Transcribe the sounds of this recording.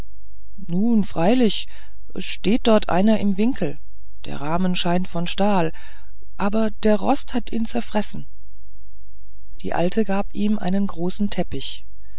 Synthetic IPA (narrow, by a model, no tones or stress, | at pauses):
nuːnfʁ̥aɪlɪç | ʔɛ̰sʃteːt̚d̥ɔɐtʰʔa̰ɪnɐʔɪmvɪŋkʰl̩ | d̥ḛːɐʁaːmənʃaɪntfɔnʃtaːl | ʔaːbɐd̥eːɐʁɔ̰sthatḭːnt͡sɛɐfʁ̥ɛsn̩ | d̥ḭːʔa̰ltʰəɡaːpʔiːmʔa̰ɪnənɡʁoːsn̩tʰɛpɪç